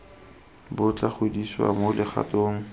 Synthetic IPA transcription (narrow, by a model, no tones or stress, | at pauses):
bʊt͡ɬʼaχʰediswa̰molɪχa̰toːŋ̩